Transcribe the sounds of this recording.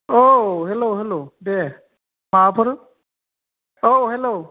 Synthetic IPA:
oɦeloɦelode | maːpʰɔɾ | oɦelo

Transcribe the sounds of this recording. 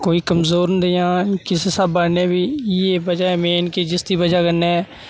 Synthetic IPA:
koːiːkəmzoːɾnd̪ejãːkɪsesabaːnɛːbiːeːbəd͡ʒaːɛːmeːnkeːd͡ʒɪst̪iːbəd͡ʒaːkənːe

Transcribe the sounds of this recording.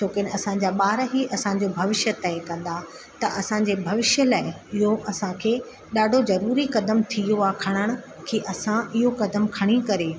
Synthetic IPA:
t͡ɕoːkenɐsã̆d͡ʑaːɓaːɾəɦiʔɐsãɲd͡ʑobʱɐʋɪʃjət̪ɐjkɐ̃nd̪a | t̪ɐʔɐsãɲd͡ʑeːbʱɐʋɪʃjəlaːɪ | ɪɦoʔɐsãkʰeː | ɗaːɖʱozɐɾuːɾikɐd̪əmt̪ʰijoakʰɐɽ̃əɽ̃̆ | kʰeːʔɐsãɪɦokɐd̪əmkʰɐɽ̃ikɐɾeː

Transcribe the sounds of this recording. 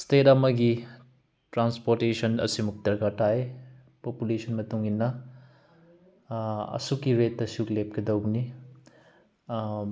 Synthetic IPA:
stetɐmɐɡi | tɾanspoɾtesɔnɐ̰simuk̚dɐɾkataj | populesʰɔnmɐtuŋinːɐ | ɐ̰sukːiɾetːɐsuklep̚kɐdɐwni

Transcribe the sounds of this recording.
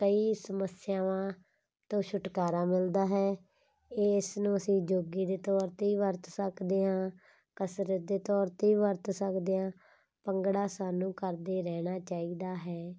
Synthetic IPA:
kəiːsəməsɪjãːʋãː | t̪õːʃʰʊʈkaːɾaːmɪld̪aːɦɛː | ɪsnũːəsĩːd͡ʒoːɡiːd̪eːt̪ɔːɾt̪eiːʋəɾt̪səkd̪eːãː | kəsɾət̪d̪eːt̪ɔːɾt̪eiːʋəɾt̪səkd̪eːãː | pəŋɡɽaːsaːnũːkəɾd̪eːɾɛːɽ̃aːt͡ʃaːiːd̪aːɦɛː

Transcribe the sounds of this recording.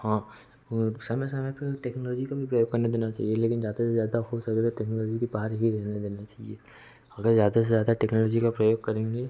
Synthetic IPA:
hãː | sɐmɛsɐmɛpeʈɛːknɔːlɔːd͡ʒikabʱipɾɐjoːɡ̚kɐɾned̪eːnat͡ʃa̰ːɦieleːkɪnzjaːd̪asezjaːd̪aɦosɐket̪oʈɛːknɔːlɔːd͡ʒikibaːɾɦiɾɛɦned̪eːnat͡ʃaːɦḭeː | ɐɡəɾzjaːd̪asezjaːd̪aʈɛːknɔːlɔːd͡ʒikapɾɐjoːɡ̚kɐɾẽːŋɡe

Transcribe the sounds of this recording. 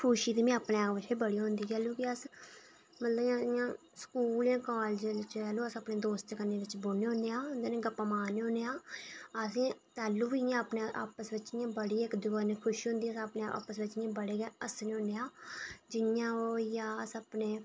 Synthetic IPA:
kʰʊʃiːt̪eːmĩːəpɳeːaʋɪt͡ʃeːbəɽiːɦʊ̃nd̪iːt͡ʃɛːluːkɪəs | mət̪ləbãːɪjãː | skuːljãːkaːld͡ʒɪt͡ʃɛːluːəsəpneːd̪oːst̪kənːeːʋɪt͡ʃboneːɦõneãːʊnd̪aːnẽːɡəpaːmaːneːɦõneːãːəsẽːt̪ɛːlːuːʋijãːəpneːʔaːpəsʋɪt͡ʃːɪjãːbəɽiːɪkd̪ʊaːneːkʰʊʃiːɦʊ̃nd̪iːaspɳeːa̰ːpəsʋɪt͡ʃɪãːbəɽeːɡɛːəsnẽːɦõneːaːd͡ʒɪnjãːoːjaːəsəpneː

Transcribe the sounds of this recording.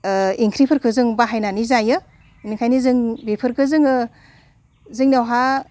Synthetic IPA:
iŋkʰɾipʰɯɾkʰɯzɯŋbaɦajnanizajɯ | nikʰajnizɯŋbepʰɯɾkʰɯzɯŋɯ | zɯŋniawɦa

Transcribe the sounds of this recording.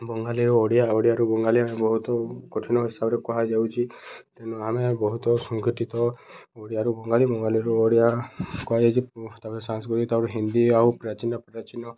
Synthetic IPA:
bɔŋɡaliɾuɔɽijaɔɽijaɾubɔŋɡaliamebɔɦut̪ɔkoʈʰinɔɦisabɔɾekɔɦad͡ʒawt͡ʃʰit̪enuamebɔɦut̪ɔsɔŋkiʈit̪ɔɔɽijaɾubɔŋɡalibɔŋɡaliɾuɔɽijakɔɦajat͡ʃʰit̪aɾesaŋskɔɾit̪awɾuɦind̪iawpɾat͡ʃinɔpɾɾat͡ʃinɔ

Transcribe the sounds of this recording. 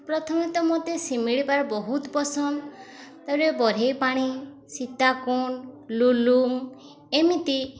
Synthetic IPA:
pɾɔt̪ʰɔmit̪ɔmot̪esimiɭipaɾɔbɔɦut̪bɔsɔnt̪aɾebɔɾejpaɽ̃i | sit̪akunluluŋ | emit̪i

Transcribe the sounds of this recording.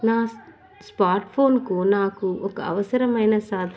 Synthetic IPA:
naː | spaːɾʈpʰoːnkunaːkuɔkɐɐ̰ʋɐsɐɾɐmɐjnɐsaːd̪ʱ

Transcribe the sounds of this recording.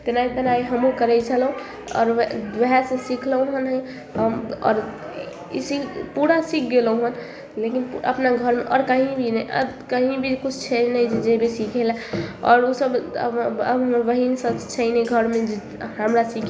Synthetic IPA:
t̪enait̪ənaiɦəmũkəɾɛt͡ʃʰəlũ | ɔ̰ɾʋeɦɛsẽsikʰlə̃ɦənɦəj | əmɔ̰ːɾ | ḭsipuɾasikʰɡeləɦən | lekinpə̰pnaɡʱəɾmeʔɔɾkəɦĩbʱinəjʔə̰kəɦĩbʱikut͡ʃʰt͡ʃʰəd͡ʒnəjd͡ʒed͡ʒebesikʰɛlaɔ̰ɾosəb | əbɦəmʋəɦinsət͡ʃʰəjneɡʱəɾmed͡ʒe | ɦəmɾasikʰ

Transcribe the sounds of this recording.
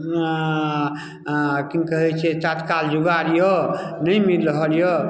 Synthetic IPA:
kikəɦɛt͡ʃʰɛt̪at̪kald͡ʒuɡaɾjɔnəjmilːɦəljɔ

